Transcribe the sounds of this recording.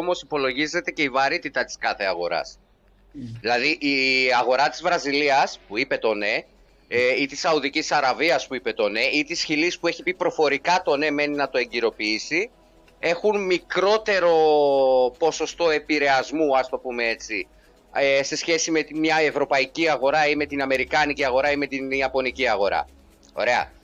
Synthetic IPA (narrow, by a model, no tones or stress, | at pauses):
omo̞sipo̞lo̞ʝize̞t̪e̞ce̞ivɐɾit̪it̪ɐt̪i̥skɐθe̞ɐɣo̞̰ɾɐ̰s | ðilɐðiʔiɐɣo̞ɾɐt̪izvɾɐziliɐspuipe̞t̪o̞ne̞ | it̪isɐuðicisɐɾɐviɐspuipe̞t̪o̞ne̞it̪isçilispue̞çipipɾo̞fo̞ɾikɐt̪o̞ne̞me̞ninɐt̪o̞e̞ɲɟiɾo̞piisi | e̞xunmikɾo̞t̪e̞ɾo̞ | po̞so̞st̪o̞e̞piɾe̞ɐzmuɐst̪o̞pume̞e̞t͡si | ese̞sçe̞sime̞t̪imɲɐevɾo̞pɐiciɐɣo̞ɾɐime̞t̪inɐme̞ɾikɐniciɐɣo̞ɾɐime̞t̪iniɐpo̞niciɐɣo̞ɾɐ̰ | o̞̰ɾe̞ɐ̰